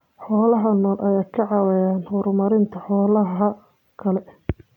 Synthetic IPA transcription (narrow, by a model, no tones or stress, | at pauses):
ħɔːlɐɦɐnɔːlʔɐjaːkʰɐʕɑwɛjaːnhʊɾʊmɐɾɪnt̪ʰɐħɔːlɐɦɐ | kʰɐlɛ